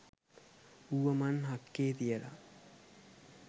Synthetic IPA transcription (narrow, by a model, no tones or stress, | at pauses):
uʋəmanɦakːeːt̪ijela̰